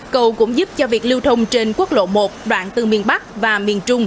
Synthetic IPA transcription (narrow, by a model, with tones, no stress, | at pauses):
kə˧wkʊ̰˧˥ŋ͡mzu˦˥p̚t͡ɕɔ˧vi˨˩ək̚li˧wt̪ʰə˧wŋ͡mt͡ɕe˧nku˦˥ək̚lo̰˧˨mo˨˩t̚ɗwa̰ː˧˨nt̪ɨ˨˩mi˨˩ənɓa˦˥k̚vaː˨˩mi˨˩ənt͡ɕʊ˧ŋ͡m